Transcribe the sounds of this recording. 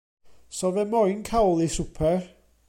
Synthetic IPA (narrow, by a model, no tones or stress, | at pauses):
sɔvɛmɔjnkʰawlˠisʊpʰɛr